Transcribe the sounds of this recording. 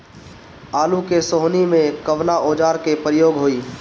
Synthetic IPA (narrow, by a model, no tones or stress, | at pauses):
aːlukesoːɦnimẽkəʋnaʔoːd͡ʒaːɾkepɾɪjoːɡɦoːiː